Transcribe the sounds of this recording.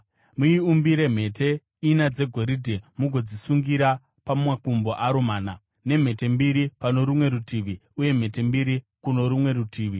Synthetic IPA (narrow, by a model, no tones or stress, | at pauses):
muiumbiɾe̞m̤e̞te̞ | inad͡ze̞ɡʱo̞ɾidʱemuɡʱo̞d͡zisuŋɡiɾa | pawakumbo̞ʔaɾomaːna | ne̞m̤e̞te̞mbiɾipano̞ɾumwe̞ɾutiʋiuje̞m̤e̞te̞mbiɾi | kuno̞ɾumwe̞ɾutʰiːʋi